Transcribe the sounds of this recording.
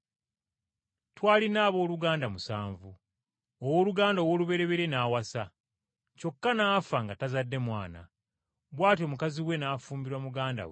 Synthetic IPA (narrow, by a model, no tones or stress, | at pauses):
twaːlinaːβo̞ːluɡaːndamusaːɱvu | owoːluɡaːndowo̞ːluβe̞ɾe̞βe̞ɾe̞naːwasa | co̞kːanaːfaŋɡatazadːe̞mwaːna̰ | βwaːt̬jo̞mukaziwe̞naːfuːmbiɾwamuɡaːnda̰we